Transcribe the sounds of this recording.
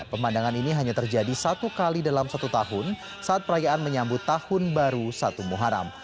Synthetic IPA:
pəmandaŋaniniɦaɲat̪ərd͡ʒadisat̪ukalidalamsat̪ut̪aɦʊn | saʔat̪̚pəɾajaʔanməɲambʊt̪ːahʊnbaɾusat̪umuɦaɾa̰m

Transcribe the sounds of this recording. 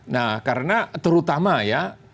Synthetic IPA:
nahkaɾənat̪əɾut̪amaja

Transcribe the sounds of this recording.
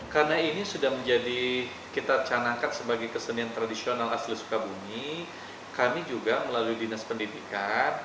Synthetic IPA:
karnainisudahməɲd͡ʒadi | kit̪at͡ʃanakansəbaɡajkəsəniant̪ɾadisionalaslisu̥kabumi | kamid͡ʒuɡaməlaluidinaspəndidikan

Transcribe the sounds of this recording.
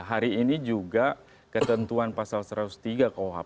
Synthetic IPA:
ɦaɾiːnid͡ʒuɡa | kət̪ənt̪uanpasalsəɾat̪ust̪iɡakaoɦa̰

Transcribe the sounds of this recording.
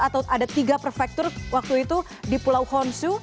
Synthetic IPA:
at̪awʔadat̪iɡapərfɛk̚t̪ɔrwak̚t̪uit̪u | dipulawhɔnsu

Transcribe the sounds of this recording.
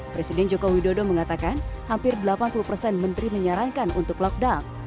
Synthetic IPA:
pɾesidɛnd͡ʒokowidodoməŋat̪akanhampɪrdəlapanpulupərsɛnmənt̪ɾiməɲaɾankanunt̪ʊklɔk̚dan

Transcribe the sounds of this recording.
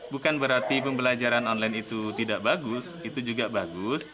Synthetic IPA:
bukanbəɾart̪ipəmbəlad͡ʒaɾanɔnlajnit̪ut̪idaʔbaɡʊsit̪ud͡ʒuɡabaɡʊs

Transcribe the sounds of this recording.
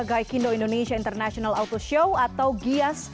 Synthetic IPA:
ɡajkindoindoneʃiaint̪ərnasiɔnalawt̪oʃowat̪awɡias

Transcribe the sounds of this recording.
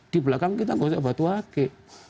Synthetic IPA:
d̥ibəlakaŋkit̪aŋɡosabat̪uake

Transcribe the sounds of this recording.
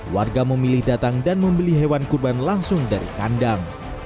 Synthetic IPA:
warɡaməmilɪhdat̪aŋdanməmbəliɦewankurbanlaŋsʊŋdaɾḭkandaŋ

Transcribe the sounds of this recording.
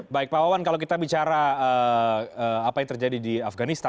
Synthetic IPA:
baɪk̚pawawankalowkit̪abit͡ʃaɾaəəapajaŋt̪ərd͡ʒadidiafɡanist̪a

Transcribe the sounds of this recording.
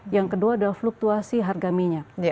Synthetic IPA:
jaŋkəduaːdalafluk̚t̪uasiɦarɡamiɲa

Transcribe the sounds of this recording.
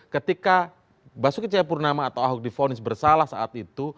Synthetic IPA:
kət̪ika | basʊkit͡ʃɛpurnamaːt̪awaɦuk̚difonɪsbərsalahsaʔat̪it̪u

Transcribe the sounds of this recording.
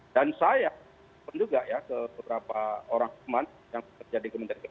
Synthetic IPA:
d̥ansaja | pand͡ʒuɡaʔjakəbəbəɾapaoɾaŋfiman | jaŋt̪ərd͡ʒadikəmənt̪aɾika

